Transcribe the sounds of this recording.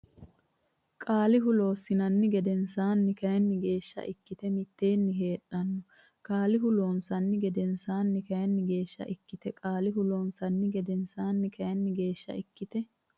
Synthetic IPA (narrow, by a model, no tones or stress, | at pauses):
kʼaːlɪɦʊlo̞ːsːɪnɐnːɪɡɛd̪ɛnsaːnːɪkɐjɐnːɪɡe̞ːʃːɐ̰ʔɪkːɪt̪ɛmɪt̪ːe̞ːnːɪɦe̞ːᶑːɐnːɔ | kʼaːlɪɦʊlo̞ːnsɐnːɪɡɛd̪ɛnsaːnːɪkɐjɐnːɪɡe̞ːʃːɐ̰ʔɪkːɪt̪ɛkʼaːlɪɦʊloːnsɐnːɪɡɛd̪ɛnsaːnːɪkɐjɐnːɪɡe̞ːʃːɐ̰ʔɪkːɪt̪ɛ